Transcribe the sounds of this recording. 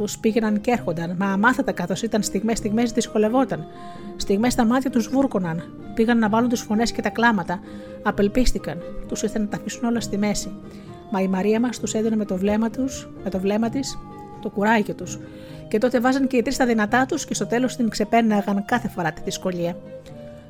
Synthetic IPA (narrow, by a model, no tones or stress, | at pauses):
uspiʝe̞nɐncee̞ɾxo̞nd̪ɐnmɐːmɐθɐt̪ɐkɐθo̞sit̪ɐnst̪iɣmest̪iɣme̞sðisko̞le̞vo̞t̪ɐn | st̪iɣme̞st̪ɐmɐt̪çɐt̪uzvuɾko̞nɐn | piɣɐnːɐvɐlunt̪usfo̞ne̞sce̞t̪ɐklɐmɐt̪ɐː | pe̞lpist̪ikɐnt̪usiθenɐt̪ɐfisuno̞lɐst̪ime̞si | mɐimɐɾiɐmɐst̪used̪oneme̞t̪o̞vlemɐt̪us | me̞t̪o̞vle̞mɐt̪is | t̪o̞kuɾɐʝit̪us | ce̞t̪o̞t̪e̞vɐzɐnce̞it̪ɾist̪ɐðinɐt̪ɐt̪usce̞st̪ot̪e̞lo̞st̪iŋkse̞pe̞nɐɣɐnkɐθe̞fo̞ɾɐt̪iðisko̞ʎiɐ